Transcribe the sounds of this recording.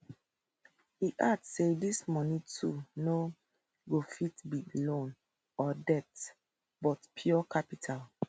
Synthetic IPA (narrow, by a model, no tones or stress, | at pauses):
hiʔadsedismɔnitʰuno | ɡofitbilõn | ɔdɛt | bɔtpʰjɔkʰapitʰal